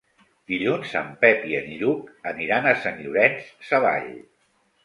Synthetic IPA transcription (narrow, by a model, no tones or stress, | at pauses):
d̪iʎunzə̰mpɛpiə̰nʎukəniɾanəsənʎuɾɛnssəβa̰ʎ